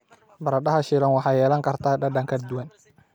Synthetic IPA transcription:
bɐɾɐɖɐɦɐʃɪlɐnwɑħɑːjɛːlɐŋkʰɐrt̪ʰaːɖɐɖɐŋkʰɐd̪uwɐn

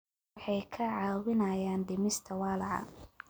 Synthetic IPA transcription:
ħɑjkʰɐʕɑːwɪnɐjaːnɖɪmɪst̪ʰɐwɑːlɑʕɑ̰

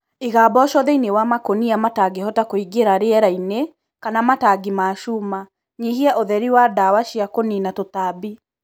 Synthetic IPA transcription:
iɣaːbɔʃɔðɛinewamakoniamataɡehɔtakoiɡeɾaɾeɛɾaine | kanamataɡimaʃuma | ɲiɦiɛʔoðɛɾiwadawaʃiakoninatotabi

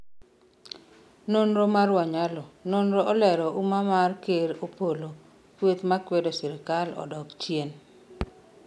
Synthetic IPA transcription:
nonɾomaɾwaɲalɔnonɾoʔɔlɛɾɔʔumamarkeɾopolo | kwet̪makwedɔsɪɾɪkalɔ̰dɔkt͡ʃjen

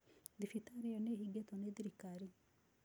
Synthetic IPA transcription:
d̪ifit̪aːɾijoneɦiɡet̪oned̪iɾikaːɾi

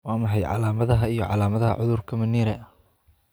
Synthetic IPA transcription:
wɑːmɐħɑjʕɑ̰laːmɐðɐɦɐijɞʕɑ̰laːmɐðɐɦɐ̰ʕʊðʊrkʰɐmɐniːɾɛɐ

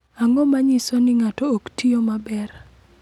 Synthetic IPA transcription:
aŋɔmaɲɪsɔnɪŋatɔːktiomabɛr

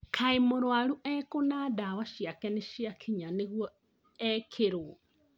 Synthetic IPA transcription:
kʰaemoɾwaɾuʔɛkonadawaʃjakɛneʃjakʰiɲaneɣwɔ | ɛkʰeɾoɔ

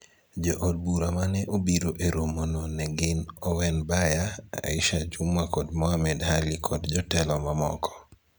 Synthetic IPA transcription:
d͡ʒɔʔɔd̚buɾamanɛʔobiɾoʔeɾomononɛɡɪnɔwɛnbajaa̰ɪ̰ʃat͡ʃumwakɔdmɔamɛdhalɪkʰɔdd͡ʒɔtɛlɔmamɔ̰kʰɔ̥

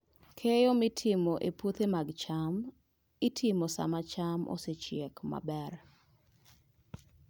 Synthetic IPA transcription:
kʰejomɪtʰɪmoʔepot̪emaɡt͡ʃam | ɪtʰɪmosa̰mat͡ʃamʔo̰set͡ʃjekma̰bɛr

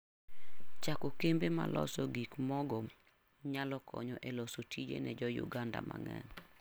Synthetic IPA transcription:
t͡ʃakokembemalʔɔsɔɡikmɔɡɔ | ɲalɔkʰɔ̰ɲɔʔɛlɔsotʰid͡ʒḛnɛd͡ʒɔjṵɡanda̰mʔa̰ŋɛ̰n

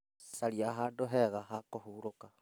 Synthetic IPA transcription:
saliaɦaːndoɦeɣaɦakohuːɾoka

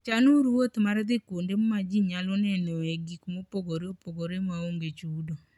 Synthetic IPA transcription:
t͡ʃanuɾwot̪maɾd̪ɪkondemmad͡ʒiɲalɔnɛneeɡikmopoɡoɾeopoɡoɾemaoŋɡet͡ʃudo

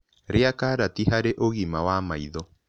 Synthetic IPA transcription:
ɾeakaːɾatiɦaɾeʔoɣimawamaiðɔ

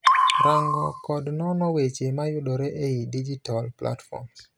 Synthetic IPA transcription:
ɾaŋɡɔkɔdnɔnɔwet͡ʃemajʊɗɔɾɛʔeidid͡ʒitalplʔa̰tfɔ̰ms

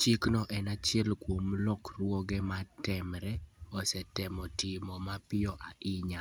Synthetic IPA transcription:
t͡ʃiknɔʔɛnat͡ʃɪɛlkwomlɔkrwɔɡɛmatɛmɾɛɔsɛtɛmɔtɪmɔmapɪɔʔaʔɪɲa

